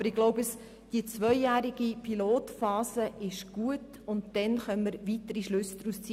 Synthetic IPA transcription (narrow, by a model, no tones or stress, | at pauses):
bəɾɪɡlɔʊbəs | d̥iət͡sʋœʏjæːɾiɡ̥ipʰiloːtfɑːsəʔɪʃɡ̥uət | ʊntd̥ɛnχœnmːəɾvitəɾiʃlʉsːd̥̪ɾust͡si